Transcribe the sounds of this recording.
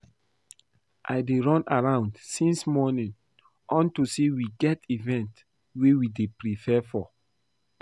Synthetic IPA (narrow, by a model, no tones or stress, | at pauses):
ʔa̰ɪdeɹɔ̃naɹãʊ̃ndsĩnsmɔnĩn | ʔɔ̃ntusewiɡɛtivɛ̃nt | wewidepɹifɛfɔ